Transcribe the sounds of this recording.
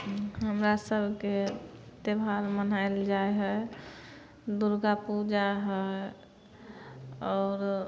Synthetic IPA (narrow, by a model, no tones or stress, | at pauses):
ɦəmɾasəbʱke | t̪ebʱaɾmənaeld͡ʒaeɦɛ | d̪uɾɡapud͡ʒaɦɛ | ɔːɾ